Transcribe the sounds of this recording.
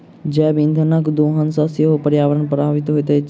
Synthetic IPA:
d͡ʒɛ̃ːbĩnd̪ʱənəkd̪oːɦənsãsiɦopəɾjaːʋəɾənpɐɾaːʋɪt̪ɦoet̪ɐ

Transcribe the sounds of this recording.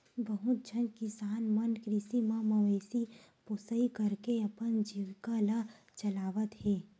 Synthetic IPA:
bəɦʊt̪̚d͡ʒʱənkɪsaːnmənkɾɪsimãmɐʋeːsi | pʊsəikɐɾkeɐpənd͡ʒiwkala | t͡ʃɐlaːʋət̪ɦɛː

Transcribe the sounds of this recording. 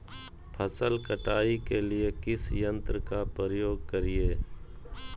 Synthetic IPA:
pʰəsəlkəʈaːikelɪekɪsjə̃nt̪ɾkapəɾjoːɡkəɾieː

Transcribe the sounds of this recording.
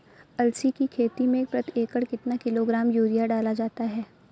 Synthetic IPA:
ɐlsikikʰeːt̪imẽːk̚pɾɐt̪eːkəɽkɪt̪nakɪloɡɾaːmjuːɾijaɖaːlad͡ʒaːt̪aɦɛː

